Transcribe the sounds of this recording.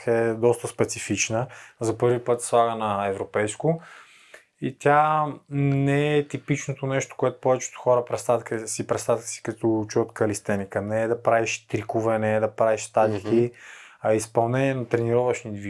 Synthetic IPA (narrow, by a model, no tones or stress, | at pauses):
ɛd̪ɔst̪əspɛt̪sifit͡ʃnəzɐpɤɾvipɤt̪slˠaɡənɐɛvɾopɛjskʊ | it̪ʲja | nɛɛt̪ipit͡ʃnot̪onɛʃt̪o̥koɛt̪ʊ̥pɔvɛt͡ʃɛ̥t̪o̥xɔɾəpɾɛst̪at̪kəsipɾɛst̪at̪kə̥si̥kɐt̪ɔt͡ʃujət̪kɐlist̪ɛnikənɛːd̪ɐpɾaviʃt̪ɾikovɛnɛːd̪ɐpɾaviʃst̪ad̪ikʲiɐispɐlˠnɛniɛnɐt̪ɾɛniɾɔvəʃnid̪vi